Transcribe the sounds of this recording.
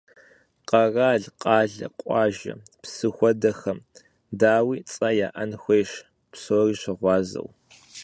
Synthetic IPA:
qɐraːɮqʼɑːɮɐ̰qʷʼɑːʒɐ̰psɨxʷɔdɐxɐm | daːwiːt͡sʼɐjaːʔɐnxʷejʃ | psoːriːɕɪʁʷɑːzɐ̰w

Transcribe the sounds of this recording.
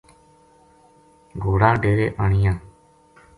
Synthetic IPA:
ɡoːɽaːɖeːɾeːʔəɳijãː

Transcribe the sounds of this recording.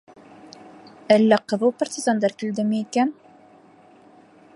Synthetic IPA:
ælːæqɤ̆ðupart̪ʲizand̪ɑɾkɘ̆ld̪ɘmiikæn

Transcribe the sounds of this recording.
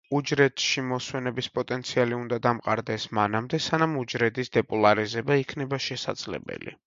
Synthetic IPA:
ud͡ʒɾɛt̪ʃimɔswɛnɛbispʼɔt̪ʼɛnt̪sʰialiund̪ad̪amqʼaɾd̪ɛsmanamd̪ɛsanamud͡ʒɾɛd̪isd̪ɛpʼɔlˠaɾizɛbaikʰnɛbaʃɛsa̰d̪z̥lɛ̰bɛ̰lḭ

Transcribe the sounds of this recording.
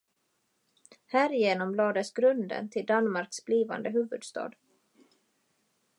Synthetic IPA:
hæːɾɪjeːnɔmlɑːd̪əsɡɾɵnd̪ə̰nt̪ʰɪld̪anmaɾksbliːva̰nd̪əhʉːvɵd̪st̪ɑ̰ːd̪

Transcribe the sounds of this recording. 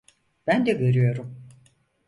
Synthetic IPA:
b̥ænd̪ɛveɾyjo̞ɾum

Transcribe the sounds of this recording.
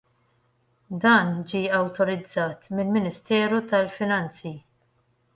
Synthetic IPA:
d̪ɐːnd͡ʒiːɐwt̪ɔɾɪd͡zːɐːt̪mɪlmɪnɪst̪ɛːɾut̪ɐlfɪnɐnt͡si

